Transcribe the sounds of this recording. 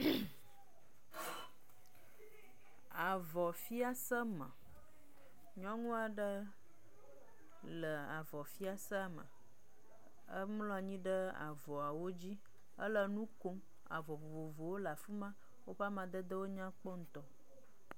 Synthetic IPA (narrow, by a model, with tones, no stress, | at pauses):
a˨vɔ˨fi˦a˦sə˦mə̰̃˨ | ɲɔ̃˦ŋũ˦a˨ɖə˦ | lə˨a˨vɔ˨fi˦a˦sə˦a˨mə̰̃˨ | ə˦mlɔ̃˦˨ɲĩ˦ɖə˦a̰˨vɔ˨a˨wo˦d͡ʑi˦ | ə̰˦lə˨nũ˦ko˦m | a̰˨vɔ˨vo˨vo˨vo˨wo˦la˨fu˦mã˦ | wo˦ɸa˦mã˨d̪ə˦d̪ə˦wo˦ɲã˦k͡pɔ˦ŋ̩˦t̪ɔ˦